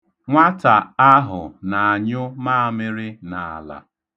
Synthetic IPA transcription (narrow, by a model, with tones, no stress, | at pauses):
ŋʷa˦ta˨a˦ɦʊ˨na˨a˨ɲʊ˦ma˦a˨mɪ˦ɾɪ˦na˨a˨la̰˨